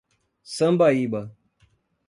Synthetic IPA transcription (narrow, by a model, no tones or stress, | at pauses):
sɐmbajiɓa